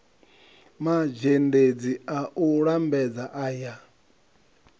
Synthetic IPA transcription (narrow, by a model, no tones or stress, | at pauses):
mad͡ʒended͡ziaʔuɺambɛd͡zaʔaja